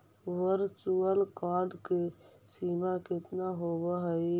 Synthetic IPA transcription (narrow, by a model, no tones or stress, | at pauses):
ʋəɾt͡ʃuəlkaːɾɖkesiːmakɪt̪naɦobəɦəj